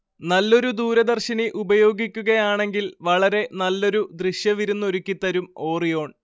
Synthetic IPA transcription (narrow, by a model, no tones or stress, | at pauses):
nɐlːo̞ɾud̪uːɾɐd̪ɐrɕiniʔubɐjo̞ːɡikʲːuɣɐjaːɳe̞ŋɡilʋɐɭɐɾe̞nɐlːo̞ɾud̪riɕjɐʋiɾunːo̞ɾukʲːit̪ːɐɾumo̞ːrijo̞ːɳ